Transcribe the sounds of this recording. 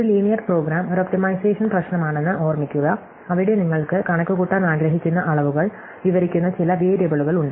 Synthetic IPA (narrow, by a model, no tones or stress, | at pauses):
oɾuliːnijɐʈpro̞ːɡɾaːmoɾop̚ʈimɐjseːʂɐnprɐɕnɐmaːɳe̞nːɨʔo̞ːrmikʲːuɣɐ | ɐʋiɽe̞niŋːɐɭkɨkɐɳɐkːuɣuʈːɐnaːɡɾɐɦikʲːunːɐʔɐɭɐʋuɣɐɭ | ʋiʋɐɾikʲːunːɐt͡ɕilɐʋeːɾɐbɐɭuɣɐɭuɳɖɨ